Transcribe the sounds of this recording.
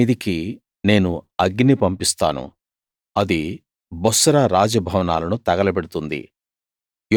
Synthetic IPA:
id̪iki | ne̞ːnuɐɡnipɐmpist̪a̰ːnṵ | ɐd̪i | bɔsɐɾaɾaːd͡ʒɐbʱɐʋɐna̰ːlɐnut̪ɐɡɐlɐbɛɽut̪und̪ḭ | j

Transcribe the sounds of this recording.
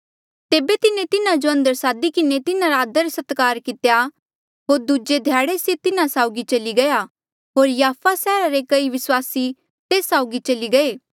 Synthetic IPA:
t̪eːbet̪ɪnet̪ɪnãd͡ʒoɐ̃nd̪əɾsaːd̪ikɪnet̪ɪnãɾaːd̪əɾsɐt̪kaːɾkɪt̪eja | ɦoːɾd̪ud͡ʒed̪ʱjaːɽeset̪ɪnasaːʊɡit͡ʃɐliɡɐja | ɦoːɾjaːfasɛːɾaɾekɐiʋɪswaːsi | t̪eːsːaːʊɡit͡ʃɐliɡɐeː

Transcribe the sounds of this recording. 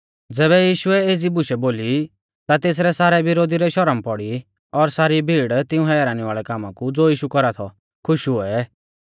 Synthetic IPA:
d͡zɛːβɛjiːʃʊɛeːd͡zibʊʃɛboːli | t̪at̪eːs̬ɾɛsaːɾɛbɪɾoːd̪iɾɛʃɔɾəmpɔɽi | ɔɾsaːɾibʱiːɽt̪ɪ̃ũɦɛaɾaːñiʋaːɭɛkaːmãkud͡zoːjiːʃukɔɾat̪ʰɔ | kʰʊʃuɛ

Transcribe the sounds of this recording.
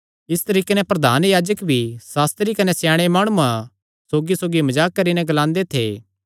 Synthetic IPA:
ɪst̪ɐɾiːkenɛ̃pɾɐd̪ʱaːnjaːd͡ʒəkbʱisaːst̪ɾikɐnesjaːɽ̃emaːɽ̃uã | soːɡisoːɡimɐd͡ʒaːkːɐɾinɛ̃ɡɐlãːnd̪et̪ʰḛː

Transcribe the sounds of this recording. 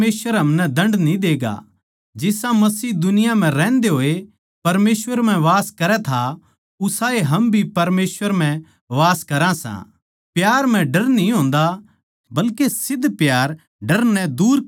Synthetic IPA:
eːsʋəɾɦɐmnɛd̪ɐ̃ɳɖnĩd̪eːɡa̰ | d͡ʒɪsãmɐsiːd̪ʊnɪjam̤ɛ̃ɾɛ̃ːnd̪eɦoːe | pɐɾmeːsʋəɾm̤ɛ̃ʋaːskɐɾɛt̪ʰa | ʊsaːeɦɐmbʱipɐɾmeːsʋəɾm̤ɛ̃ | ʋaːskɐɾãsã̰ | pjaːɾm̤ɛ̃ɖɐɾnĩɦõːnd̪a | bɐlkesɪd̪ːpjaːɾ | ɖɐɾnɛ̃d̪uːɾ

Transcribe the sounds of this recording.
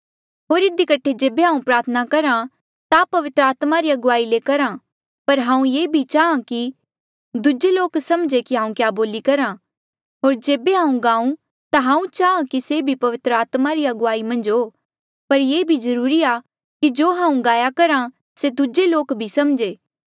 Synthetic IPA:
ɦoːɾɪd̪ikɐʈʰed͡ʒeːbeɦãːũpɾaːɾt̪ʰənakɐɾã | t̪apɐʋɪt̪ɾəaːt̪maɾiɐɡʊʋaːilekɐɾã | pɐɾɦãːũjeːbʱit͡ʃaːãki | d̪ʊd͡ʒeloːksɐmd͡ʒekiɦãːũkjaːboːlikɐɾã | ɦoːɾd͡ʒeːbeɦãːũɡãːũ | t̪aɦãːũt͡ʃaːãkisebʱipɐʋɪt̪ɾəaːt̪maɾiɐɡʊʋaːimɐ̃nd͡ʒɦoː | pɐɾjeːbʱizɐɾuːɾia | kid͡ʒoːɦãːũɡaːjakɐɾã | sed̪ʊd͡ʒeloːkbʱisɐmd͡ʒeː

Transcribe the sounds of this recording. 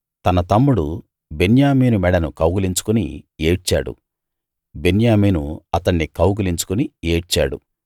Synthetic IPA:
t̪ɐnɐt̪ɐmːuɽu | benjaːmiːnumɛɽɐnukɐwɡuliɲt͡ʃu̥kunḭeːʈt͡ʃa̰ːɽṵ | benjaːmiːnuɐt̪ɐɳːikɐwɡuliɲt͡ʃu̥kunieːʈt͡ʃa̰ːɽṵ

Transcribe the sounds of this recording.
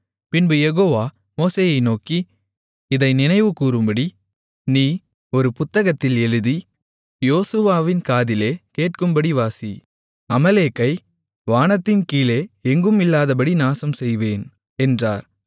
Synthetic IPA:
pɪnbɯjɛɣoːʋaː | moːseːjɐɪnoːki | ɪðɐɪnɪnɐɪʋɯkuːɾɯmbɐɽi | niː | ɔɾɯpʊt̪ːɐɣɐt̪ːɪlɛɻɯði | joːsɯʋaːʋɪnkaːðɪleːkeːʈ̚kɯmbɐɽiʋaːsi | ɐmɐleːkːɐɪ | ʋaːnɐt̪ːɪnkiːleːɛŋɡɯmɪlːaːðɐp̬ɐɽinaːsɐmsɛjʋeːn | ɛndra̰ːɾ

